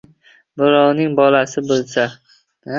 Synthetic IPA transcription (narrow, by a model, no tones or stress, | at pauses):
bɪɾɒwnɪŋbɒlasɪbolˠsa